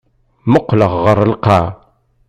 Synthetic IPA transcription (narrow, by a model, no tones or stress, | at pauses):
məqːləʁːəɾəlqɑ